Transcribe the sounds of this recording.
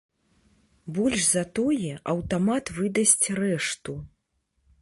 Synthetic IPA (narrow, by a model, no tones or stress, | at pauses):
bɔlʲʂzɐt̪ɔjɛʔɐwt̪amat̪vɨd̪ɐsʲt͡sʲrɛʂt̪u